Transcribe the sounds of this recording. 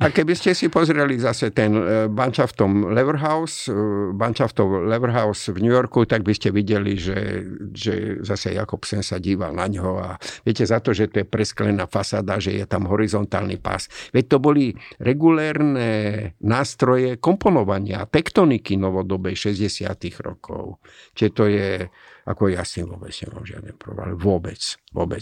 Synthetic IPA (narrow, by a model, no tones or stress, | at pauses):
akɛbiscɛsipɔzɾɛlizasɛt̪ɛnbant͡ʃaft̪ɔmlɛʋɾɦaʊsbant͡ʃaft̪ɔwlɛʋɾɦaʊsvɲujɔɾkut̪aɡ̚biscɛʋiɟɛliʒɛ̰ʒɛ̰zasɛ̰ja̰kɔpsɛnsaɟiːʋa̰lnaɲɦɔaʋɛcɛzat̪ɔʒɛt̪ɔjɛpɾɛsklɛnaːfasa̰ːd̪aʒɛ̰jɛ̰t̪amɦɔɾizɔnt̪a̰ːlnḭpa̰sʋɛc̚t̪ɔbɔliɾɛɡulɛːɾnɛnaːst̪ɾɔjɛkɔmpɔnɔʋaɲɪa̰t̪ɛkt̪ɔnikinɔʋɔd̪ɔbɛjʃɛzɟɛsɪa̰t̪iɣɾɔ̰kʰɔ̰ʊ | t̪ɪɛt̪ɔjɛ | ʔa̰kɔjasinʋʊɔbɛt͡sɲɛ̰ma̰ːmʒɪa̰d̪nɛmpɾɔ̰ʋa̰lɛʋʊɔbɛt͡sʋʊɔ̰bɛt͡s